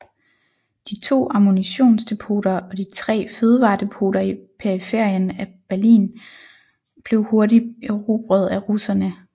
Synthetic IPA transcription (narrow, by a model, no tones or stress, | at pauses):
d̥it͡sʰo̝̰ːɑ̈moniɕo̝̰ːnsd̥e̝pʰo̝ːɾ̥ɐɒ̽d̥it͡sʰʁɛ̰ːføð̞ˠʋɑ̰̈ːd̥e̝pʰo̝̰ːɾ̥ɐipʰeɐifeɐ̰jənæb̥æɐlḭːn | b̥le̝ʊho̝ɐdiʁub̥ʁœð̞ˠæʁusɐnə